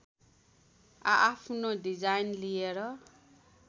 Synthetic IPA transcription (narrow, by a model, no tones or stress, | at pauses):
aʔːpʰnodid͡zajnlijeɾʌ